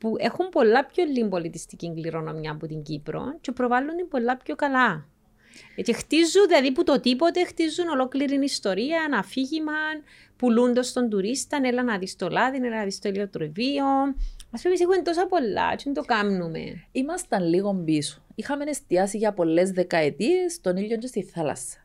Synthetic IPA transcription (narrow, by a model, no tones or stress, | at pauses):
puʔe̞xumpo̞lːɐpçolːimbo̞lit̪ist̪iciŋɡliɾo̞no̞mjɐput̪iɲɟipɾo̞̰nt͡ʃe̞pɾo̞vɐlːund̪imbo̞lːɐpço̞kɐlɐ | ce̞xt̪izːunðilɐðiput̪o̞t̪ipo̞t̪e̞xt̪izːuno̞lo̞kliɾinist̪o̞ɾiɐnɐfiʝimɐn | pulund̪ɐst̪o̞nd̪uɾist̪ɐnelɐnɐðist̪o̞lɐðinelɐnɐðist̪oiliot̪ɾovionɐspemisixument̪o̞sɐpo̞lːɐ̰t͡ʃind̪o̞kɐmnumḛimɐst̪ɐnliɣo̞mbiso̥ixɐme̞ne̞st̪iɐsiʝɐpo̞lːe̞zðe̞kɐet̪iest̪o̞niʎːoɲd͡ʒest̪iθɐlɐ̰sːɐ̥